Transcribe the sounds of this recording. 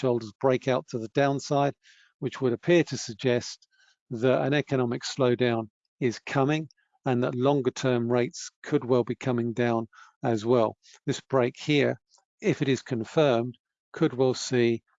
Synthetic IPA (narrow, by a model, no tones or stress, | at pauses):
ʃoʊlˠdəzbɹeɪkʰaʊtʰəðədãʊ̃nsaɪd̥̚ | wɨt͡ʃwəɾɨpʰɪɹɾɨsɨɡ̚d͡ʒɛst̪̚ | ðəɾɨ̰̃ñɛkɨñɑmɨksloʊdãʊ̃n | ɪz̥kʰʌmɪ̃ŋ | ə̃nðətˡlɔ̃ŋɡə˞tʰɜ̃˞mɹeɪtskʰɨd̚wɛlˠbikʰʌmɪ̃ŋdãʊ̃nɨzwɛlˠ | ðɪsb̥ɹeɪkhiɹ | ɪfɨɾɨz̥kʰɨ̃ɱfɜ̃˞md̥ | kʰɨd̚wɛlˠsi